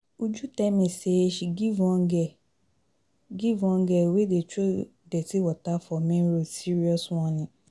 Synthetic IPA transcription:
ud͡ʒutɛmẽseʃiɡivɔ̃ŋɡɛ | ɡivɔ̃ŋɡɛwedet͡ʃo | dɛtiwɔtafɔmẽɾosiɾiɔswɔ̃nɪ̃

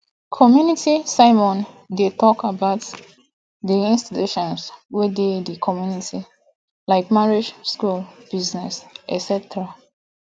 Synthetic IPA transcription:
kʰɔmjunitisaɪmɔ̃n | detɔkəbaʊt | diĩnstituʃɔ̃nswededəkʰɔmjuniti | laɪkmaɹid͡ʒskulb̥iznɛsɛ̰sɛtɹa

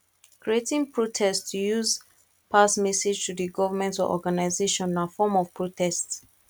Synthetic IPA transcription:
kɹietĩŋpʰɹotʰɛstʰujuz | pʰasmɛsed͡ʒtʰudiɡɔvamɛ̃ntɔ̰ʔɔ̰ɡanaɪzeʃɔ̃nnafɔmɔv̥pʰɹotʰɛst

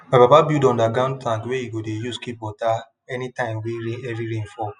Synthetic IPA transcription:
mapapabidɔ̃ndaɡãndplãntweiɡodejuskip̚wɔta | ɛnitãɪ̃mweɾĩɛviɾĩnfɔ

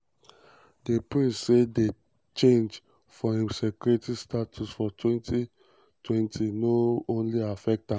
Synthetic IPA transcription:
depɹĩnssede | t͡ʃẽnd͡ʒ | fɔĩmsɛkɾetistatʰusfɔtʰwɛ̃ntʰi | tʰwɛ̃ntʰinoõnliafɛk̚tã

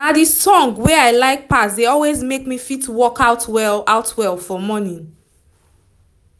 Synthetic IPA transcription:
nadisɔ̃ŋɡweaɪlaɪk̚pasdeɔlwezmekmifitwɔkaʊtwɛlaʊtʰwɛlˠfɔmɔnĩn

